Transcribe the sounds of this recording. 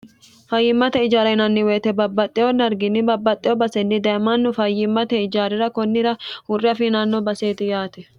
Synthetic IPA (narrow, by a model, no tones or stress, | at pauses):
fɐjːɪmːɐt̪ɛɪd͡ʒaːɾɐnɐnːɪweːt̪ɛbɐbːɐt̪ʼːɪjɔnɐɾɡɪnːɪbɐbːɐt̪ʼːɪjɔbɐsɛnːɪd̪ɐjɐmɐnːʊfɐjɪmːɐt̪ɛɪd͡ʒaːɾɪɾɐkɔnːɪɾɐhʊrːɪɐfɪnanːɔbɐseːt̪ɪjaːt̪ɛ